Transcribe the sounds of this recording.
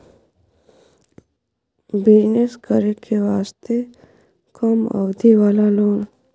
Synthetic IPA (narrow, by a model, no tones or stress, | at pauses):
bɪd͡ʒneskəɾekʰeʋaːst̪e | kɔmə̰bd̪iʋaːlaloːn